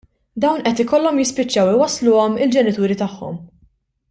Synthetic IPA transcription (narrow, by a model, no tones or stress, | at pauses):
d̪ɐwnʔɛt̪ɪkɔlːɔmjɪspɪt͡ʃːɐwɪwɐslʊːɔmɪld͡ʒɛnɪt̪uːɾit̪ɐħːɔ̰m